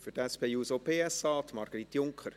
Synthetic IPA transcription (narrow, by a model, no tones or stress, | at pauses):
fʏɾtæspʰeːjuːsopʰeːɛsɑːt̪mɑɾɡ̥əɾitjʊŋkʰχəɾ